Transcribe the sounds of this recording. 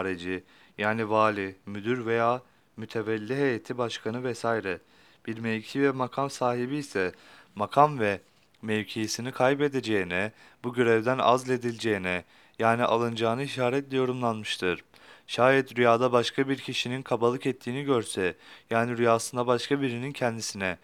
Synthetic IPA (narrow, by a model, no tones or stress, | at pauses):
ɾed͡ʒi | jaːnivaːlʲimyd̪yɾve̞jaː | myt̪ʰe̞vɛlʲːiɦejet̪ʰibaʃkʰanɯvɛsajɾɛ | b̥iɾmevcʰivɛmakʰamsaːɦibiːsɛmakʰamvɛ | mɛvcʰejisinikʰajbe̞d̪ed͡ʒe̞jinɛ | buɟøɾɛvd̪æna̰zlʲe̞d̪ilʲd͡ʒe̞jinɛ | jaːniʔa̰lˠɯnd͡ʒaːnɯiʃaːɾɛt̪lʲɛjo̞ɾumlˠanmɯʃt̪ʰɯɾ̥ | ʃaːjɛt̪ɾyjaːd̪abaʃkʰabiɾcʰiʃininkʰabalˠɯkɛt̪ʰːiːniɟøɾsɛjaːniɾyjaːsɯnd̪abaʃkʰabiɾinincʰɛnd̪isinɛ